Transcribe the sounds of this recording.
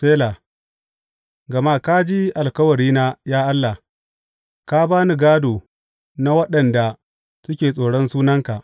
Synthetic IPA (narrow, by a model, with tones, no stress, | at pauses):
seː˦la˨ | ɡɐ˨ma˦ka˦d͡ʒi˦ʔa˨lkɐ˦wɐ˨ɽiː˦naː˦jaː˦ʔa˦lːa˨h | ka˦baː˦ni˨ɡaː˦doː˨ | na˦wɐ˦ɗɐ˨nda˨ | sʊ˦kʲeː˨sʼoː˨ɽɔ˦nsuː˦nɐ˦ŋka˨ʔ